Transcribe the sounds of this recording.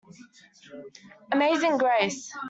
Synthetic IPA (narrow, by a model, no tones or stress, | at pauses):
əmeɪzɪ̃ŋɡɹeɪs